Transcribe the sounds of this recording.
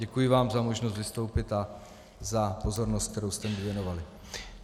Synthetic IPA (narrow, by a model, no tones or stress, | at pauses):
ɛkujɪvaːmzamo̞ʒnost̪vɪst̪o̞wpɪt̪a | zapo̞zo̞ɾnost̪kt̪ɛɾowst̪ɛmɪvjɛno̞valɪ